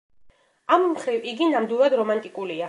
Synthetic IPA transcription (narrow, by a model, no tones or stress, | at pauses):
ammχɾiviɡinamd̪wilˠad̪ɾɔmant̪ʼikʼulia